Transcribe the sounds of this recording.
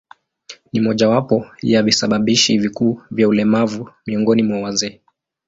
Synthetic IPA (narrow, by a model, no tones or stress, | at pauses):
nimɔʄawapɔjavisaɓaɓiʃivikuːvjaulɛmavumiɔŋɡɔnimwawazɛː